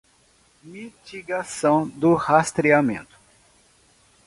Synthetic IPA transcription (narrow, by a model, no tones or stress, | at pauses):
mit͡ʃiɡasɐ̃w̃d̪ʊhast̪ɾiamḛ̃nt̪ʊ̥